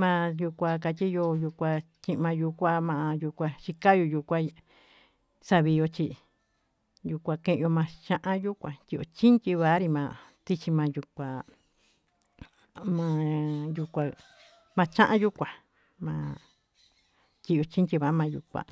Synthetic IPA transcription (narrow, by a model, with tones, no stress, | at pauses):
mã˧ju˧kʷa˧ka˧tʲi˦jo˧ju˧kʷa˧ | t͡ʃĩ˧ʔmã˧ju˧kʷa˧mã˧a˧ju˧kʷa˧ʃi˧ka˦jo˧ju˧kʷa˦˧ | sa˧βi˧jo˧t͡ʃi˧ | ju˧kʷã˧kẽ˦ʔo˧mã˧t͡ʃã˦ʔã˦ju˦kʷã˨t̪ʲi˧ʔo̰˧t͡ʃi˦ntʲi˧βa˧˨˦ɾi˧mã˧t̪i˦t͡ʃi˧mã˧ju˧kʷa˨ | mã˧ju˧kʷa˧ | mã˧t͡ʃã˦ʔã˦ju˦kʷa˨ | mãː˧ | t̪ʲi˧˨jo˧t͡ʃi˦nt̪ʲi˧βa˨˦mã˧jṵ˧˨kʷa̰˧˨